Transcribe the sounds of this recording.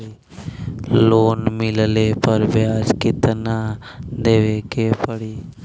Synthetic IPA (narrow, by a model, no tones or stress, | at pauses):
loːnmɪlleːpəɾʋjaːd͡ʒkɪt̪nãː | d̪eːʋeːkeːpəɽiː